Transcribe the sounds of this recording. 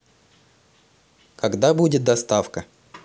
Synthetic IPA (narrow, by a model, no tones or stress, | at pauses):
kɐɡd̪abudʲɪt̪̚d̪ɐst̪afkə